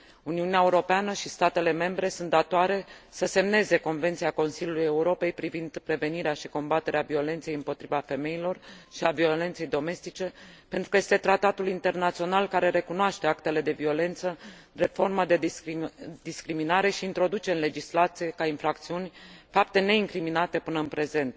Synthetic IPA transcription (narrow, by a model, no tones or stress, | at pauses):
uniuneaeuɾo̞peanəʃist̪at̪e̞le̞me̞mbɾe̞sunt̪̚d̪at̪oaɾe̞səse̞mne̞ze̞ko̞nvent̪siako̞nsiljuluje̞uɾo̞pe̞jpɾivind̪pɾe̞ve̞niɾeaʃiko̞mbat̪e̞ɾeavio̞le̞nt̪se̞jɨmpo̞t̪ɾivafe̞me̞ilo̞rʃiavio̞le̞nt̪se̞jd̪o̞me̞st̪it͡ʃe̞pe̞nt̪ɾu̥kəjest̪e̞t̪ɾat̪at̪ulint̪e̞rnat̪sio̞nalkaɾe̞ɾe̞kunoaʃt̪e̞akt̪e̞le̞d̪e̞vio̞le̞nt̪səɾe̞fo̞rməd̪e | d̪iskɾiminaɾe̞ʃiːnt̪ɾo̞d̪ut͡ʃe̞ɨnle̞d͡ʒislat̪sije̞kainfɾakt̪siunʲfap̚t̪e̞ne̞iŋkɾiminat̪e̞pɨnəɨnpɾe̞ze̞nt̪̚